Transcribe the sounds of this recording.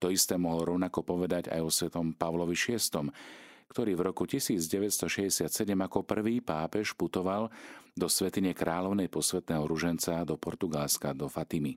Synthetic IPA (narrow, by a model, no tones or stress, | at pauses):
t̪ɔist̪ɛːmɔɦlɔɾɔʊnakɔpɔʋɛd̪aɟa̰jɔsʋɛt̪ɔmpaʋlɔʋiʃɪɛst̪ɔmkt̪ɔɾiːvɾɔkucisiːd͡zɟɛʋɛt̪st̪ɔʃɛzɟɛsɪat̪sɛɟɛmakɔpr̩ʋiːpaːpɛʃput̪ɔʋald̪ɔsʋɛt̪iɲɛkɾʔaːlɔʊnɛjpɔsʋɛt̪nɛːɦɔɾuʒɛnt͡sad̪ɔpɔɾt̪uɡalskad̪ɔfat̪imi